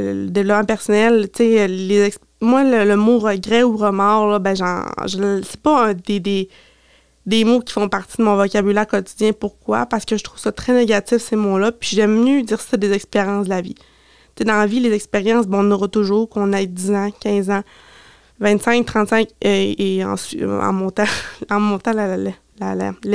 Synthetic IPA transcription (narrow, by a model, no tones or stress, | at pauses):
lə̰d̪evlɔpmãpɛʁsɔnɛlt̪selezɛks | mwalələmoʁəɡʁɛuʁəmɑːʁlʌbɛ̃ʒɑ̰̃ʒəsɛ̥pɔə̃d̪ed̪e | d̪emokʲi̥fɔ̃paʁt̪id̪əmɔ̃vɔkʲabylɛːʁkɔt̪i̥d̪d͡zjɛ̃puʁkwa̰paʁsə̥kəʒət̪χʁuvsʌt̪χɛneɡʲat̪ɪfsemolʌpɥiʒɛmːjød̪iːʁsi̥sɛd̪ezɛkspeʁjɑ̃sd̪əlavi | t̪t͡sed̪ɑ̃avilezɛkspeʁjɑ̃s̬bɛɔ̃nɔʁɔt̪ʊʒuːʁkɔ̃nɛjd̪izãkʲɛ̃zã | vɛ̃t̪sɛ̃ŋk̚t̪χɑ̃t̪sɛ̃keɑ̰̃sɑ̰̃mɔ̃t̪ãɑ̃mɔ̃t̪ãla | lala̰